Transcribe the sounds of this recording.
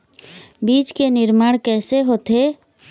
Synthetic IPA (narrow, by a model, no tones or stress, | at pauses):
biːt͡ʃkenɪɾmaːɽ̃kɛːseɦoːt̪e